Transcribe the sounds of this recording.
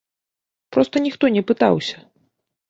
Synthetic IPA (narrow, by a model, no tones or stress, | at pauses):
pɾɔst̪ɐnʲixt̪ɔnʲɛpɨt̪a̰wsʲɐ̥